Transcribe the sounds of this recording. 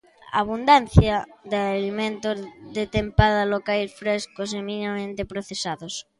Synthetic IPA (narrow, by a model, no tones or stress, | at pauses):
a̰ːβ̞und̪an̟θjaðalimẽnt̪ozðet̪empaðalokajsfɾeskos̬eminimamẽnt̪epɾoθesaðos